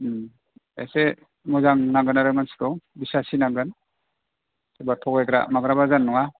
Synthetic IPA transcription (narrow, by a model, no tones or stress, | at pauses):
ḛse | mɔzaŋnaŋɡɯnaɾɯmansi̥kɔwbisasinaŋɡɯn | sebatʰɔɡeɡɾa̰maɡɾabazanːɔŋa